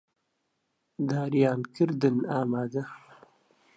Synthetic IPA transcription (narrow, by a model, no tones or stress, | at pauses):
d̪aːɾijaːnkɪɾd̪ɪnaːmaːd̪ɐ